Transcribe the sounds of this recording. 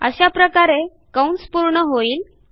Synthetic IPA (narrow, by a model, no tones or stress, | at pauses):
ə̰ɕapɾəkaɾe | kawɳspuɾɳəɦoiːl